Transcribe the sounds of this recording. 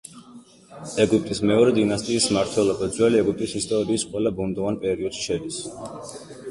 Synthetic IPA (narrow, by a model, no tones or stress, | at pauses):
ɛɡyp̚ʼt̪ʼismɛɔɾɛd̪inast̪ʼiːsmaɾt̪ʰwɛlˠɔbad̪zwɛliɛɡyp̚t̪ʼisist̪ʼɔɾiːsqʼwɛlabund̪ɔvanpʼɛɾiɔd̪̥ʃi̥ʃɛd̪is